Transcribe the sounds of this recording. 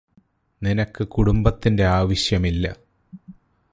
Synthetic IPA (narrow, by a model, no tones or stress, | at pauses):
ninɐkːɨkuɽumbɐt̪ːinde̞aːʋɐɕjɐmilːɐ̰